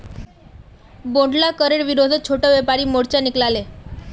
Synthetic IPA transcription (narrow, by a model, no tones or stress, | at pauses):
boɳɖlakəɾeɽʋiɾod̪ʱət̪̚t͡ɕʰoʈəʋepaɾiːmoɽt͡ɕaniklale